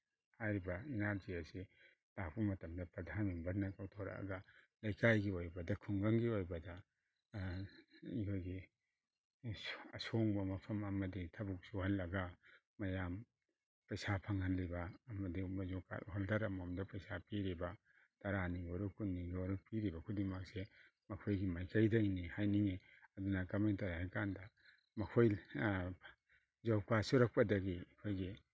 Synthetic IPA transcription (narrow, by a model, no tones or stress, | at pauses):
hajɾibɐinaɾzijasi | tapʰumɐtɐmdɐpɾɐdʱanminbɐɾnɐkawtʰoɾa̰ɐ̰ɡɐ | lɐjkajɡiojbɐdɐkʰuŋɡɐŋɡiojbɐdɐ | ikʰojɡi | ɐsoŋbɐmɐpʰɐmɐmɐditʰɐbuk̚suhɐlːɐɡɐ | mɐjam | pɐjsapʰaŋanlibɐːmɐdimazoka̰tɦoldaɾɐmomdapɐjsapʰiɾibɐ | tɐɾaniɡoɾukʰunːiɡioɾupʰiɾibɐkʰudimak̚se | mɐkʰojɡimajkʰajdajnihajniŋi | ɐdunɐkɐmentɐɾhajkandɐ | mɐkʰoj | zawkasuɾɐk̚pɐdɐɡikʰojɡi